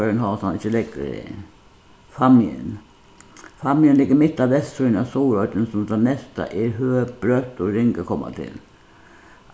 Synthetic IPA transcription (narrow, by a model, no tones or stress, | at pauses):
ɾənɦɑsɑnɪçːəlɪɡə̰ | fɑmɪə̰n | fɑmːɪənlɪɡːəmɪt̪ːɑʋʋɛsːunɑsuːɾœʏt̪ənsɔmd̪ɛnnɛst̪ɑ̰ʔɪɦøːb̥ɾœt̪ːɔɾɪŋɡəkʰɔmːə̰t̪ʰɪ̰l